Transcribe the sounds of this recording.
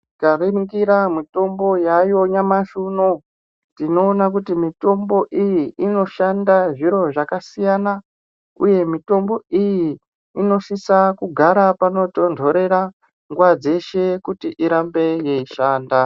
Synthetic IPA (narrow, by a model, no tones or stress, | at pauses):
kaɾiŋɡiɾamito̞mbo̞jajo̞ɲamaʃuno | tino̞ːnakutimito̞mbo̞ʔijiino̞ʃandaʐiɾo̞ʐakasijana | uje̞mito̞mbo̞ijiː | no̞ʃisakuɡʱaɾapano̞to̞ndʱo̞ɾe̞ɾa | ŋɡwad͡ze̞ʃe̞kutiʔiɾambe̞je̞iʃaːnda